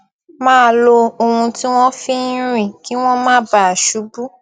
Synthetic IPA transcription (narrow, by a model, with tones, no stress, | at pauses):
mãː˦˨lo˧o˧hũ˧ti˦w̃ɔ̃˦fi˦ɾ̃ĩ˦˨ki˦w̃ɔ̃˦mãː˦ba˦˨a˨ʃu˨˦bu˦